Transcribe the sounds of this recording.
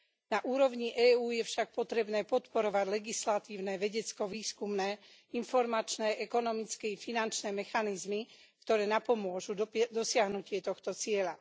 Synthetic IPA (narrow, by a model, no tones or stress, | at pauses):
naʔuːɾɔʊɲiʔɛːuːjɛfʃak̚pɔt̪ɾɛbnɛːpɔt̪pɔɾɔʋaɟlɛɡislat̪iːʊnɛʋɛɟɛt͡skɔʋiːskumnɛː | infɔɾmat͡ʃnɛːʔɛkɔnɔmit͡skɛifinant͡ʃnɛːmɛxanizmi | kt̪ɔɾɛːnapɔmʊɔʒud̪ɔsɪaɦnucɪɛt̪ɔxt̪ɔt͡sɪɛʎa